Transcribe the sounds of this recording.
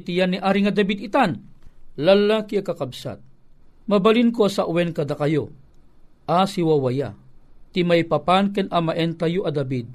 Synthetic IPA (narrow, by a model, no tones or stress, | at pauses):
t̪ijanːiʔaːɾiŋɐd̪ɐbid̪it̪anlɐlakiɐkɐkɐbsa̰t̪̚ | mɐbɐlinkoasɐʔʊwɛnkɐd̪akɐjo | ʔasiwawɐja̰t̪imajpɐpankɛnʔamɐʔɛnt̪ɐjoʔɐd̪ɐbid̪̚